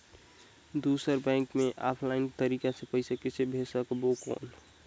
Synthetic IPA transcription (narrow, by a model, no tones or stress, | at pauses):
d̪usəɾbɛ̃ːŋkmẽʔaːpʰlaɪnkt̪əɾiːkasepəɪsekɪsebʱesəkbokɔ̰ːn